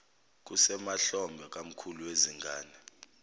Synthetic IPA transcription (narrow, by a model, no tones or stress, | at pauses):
k̬usɛmaɬɔmbʱɛk̬ʼam̩kʰuluweziŋɡʱaːnɛ